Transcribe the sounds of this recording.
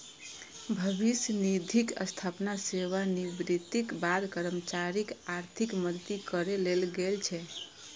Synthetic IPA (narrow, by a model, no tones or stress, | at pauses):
bʱəbisjənid̪ʱikə̰st̪ʰapnaseʋanibɾit̪ikbad̪kəɾəmət͡ʃaɾikaɾt̪ʰikməd̪t̪ikəɾelelɡelt͡ʃʰɛ